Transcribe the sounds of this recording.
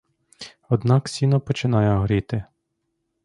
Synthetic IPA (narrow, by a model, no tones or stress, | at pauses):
ɔd̪nɑksʲinɔpɔt͡ʃɪnɑjɛɦɾit̪ɪ